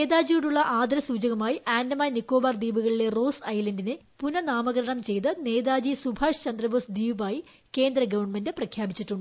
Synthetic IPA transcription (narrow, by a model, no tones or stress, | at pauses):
eːd̪aːd͡ʑijuɽuɭːɐʔaːd̪ɾɐsuːd͡ʑɐɣɐmaːjiʔaːndɐmaːnikːo̞ːbaːrd̪iːbuɣɐɭile̞ro̞ːsɐjlɐndinepunɐnaːmɐɣɐɾɐɳɐmt͡ɕe̞jt̪ɨne̞ːd̪aːd͡ʑisubʱaːʂt͡ɕɐnd̪rɐboːsd̪iːʋbaːji | ke̞ːnd̪ɾɐɡɐʋɐrɳmendeprɐkʰjaːbit͡ɕːiʈːuɳɖɨ